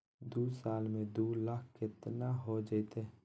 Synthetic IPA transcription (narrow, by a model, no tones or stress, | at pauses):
d̪uːsaːlmẽd̪uːlakʰkɪt̪naɦod͡ʒəɪt̪e